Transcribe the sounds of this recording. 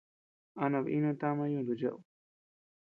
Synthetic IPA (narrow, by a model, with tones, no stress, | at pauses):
a˧nã˧βi˦nũ˧t̪a˦mã˧ɲũ˧˨d̪u˧t͡ʃa˦ʔu˧